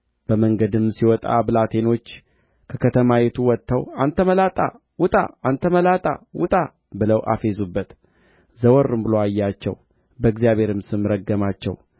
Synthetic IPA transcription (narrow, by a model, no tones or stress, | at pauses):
b̥əməŋɡəd̪ɨmsiwɔt̪ʼa̰bɨlat̪ʰe̞no̞t͡ʃː | kʰəkʰət̪ʰəmawet̪ʰuwɔt̪ʰːəwant̪ʰəməlat̪ʼa̰ | wʊt̪ʼa̰ʔant̪ʰəməlat̪ʼa̰wʊt̪ʼa | bɨləwʔa̰fe̞zubːət̪ | zəwɔɾːɨmbɨloajːat͡ʃːɛ̰w | bəɨɡzijaβhe̞ɾɨmsɨmɾəɡːəmat͡ʃːɛ̰w